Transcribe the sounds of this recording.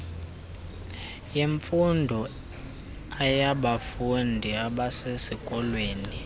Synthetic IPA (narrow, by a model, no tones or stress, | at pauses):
jeɱfundʱɔ | ajaɓafundʱiaɓasesikʼɔlweːni